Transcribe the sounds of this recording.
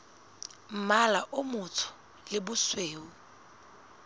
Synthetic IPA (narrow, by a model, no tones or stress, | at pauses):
m̩malaʔʊmʊtʰʊ̥ | lɪbʊsweːʊ